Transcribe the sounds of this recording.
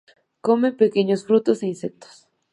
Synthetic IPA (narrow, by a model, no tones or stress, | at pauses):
komepekeɲosfɾut̪oseĩnsek̚t̪o̥s